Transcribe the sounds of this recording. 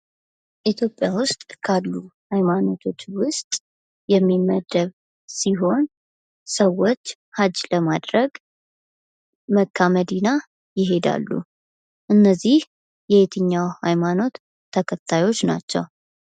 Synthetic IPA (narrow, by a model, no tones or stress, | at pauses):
ʔit̪ʰjo̞pʼjawʊst̪ʼkʰalːuhajmano̞t̪ʰo̞t͡ʃːwʊst̪ʼ | jɛmːiməd̪ːəβ | siɦo̞n | səwːot͡ʃː | had͡ʒləmad̪ɾəɡ | məkʰːaməd̪ina | jɪɦe̞d̪a̰lːṵ | ʔɨnːəzːih | jɛet̪ʰɨɲːawhajmano̞t̪ʰː | əkʰət̪ʰːajo̞t͡ʃːna̰t͡ʃːɛ̰w